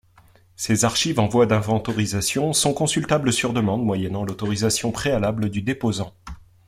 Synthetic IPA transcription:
sezaʁʃivɑ̃vwad̪ɛ̃vɑ̃t̪ɔʁizasjɔ̃sɔ̃kɔ̃sylt̪abləsyʁd̪əmɑ̃d̪mwajɛnɑ̃lot̪ɔʁizasjɔ̃pχealabləd̪yd̪epozɑ̃

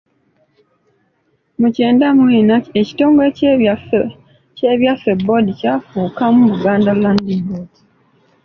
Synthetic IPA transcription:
muce̞ːndamwiːnaeci̥to̞ːŋɡoec | ceβjafe̞bodicafuːkamuβuɡaːndalandibodi

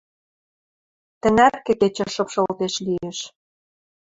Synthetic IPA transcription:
t̪ə̆nærkĕket͡ɕə̆ʃɤ̆pʃolt̪eʃlieʃ

